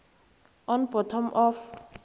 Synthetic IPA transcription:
ɔ̃nbɔtʰɔmʔɔf

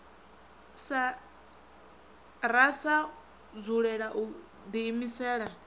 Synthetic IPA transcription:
sa | ɾasa | zuɺɛɺaʔu | d̪iːmisɛːɺa

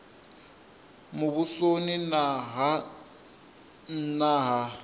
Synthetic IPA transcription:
mʊβusoninaɦ | naːɦa

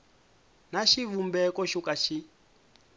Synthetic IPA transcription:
naʃivumbɛkɔʃukaʃi

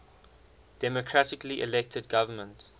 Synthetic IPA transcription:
d̥ɛmɔkʰɹatɪkliʔɛ̰lɛk̚tʰədɡavəmə̃nt

